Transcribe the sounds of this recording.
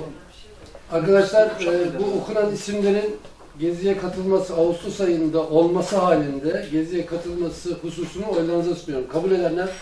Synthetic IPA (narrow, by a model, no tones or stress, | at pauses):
aɾkad̪aʃlˠaɾbuokʰunanisimlʲe̞ɾin | ɟe̞zijɛkʰat̪ʰɯlˠmasɯaust̪ʰusajɯnd̪aʔo̞lˠmasɯɦaːlʲind̪ɛɟe̞zijɛkʰat̪ʰɯlˠmasɯhusuːsunuo̞jlˠanzasmɯjo̞ɾumkʰabulʲe̞d̪æɾnæn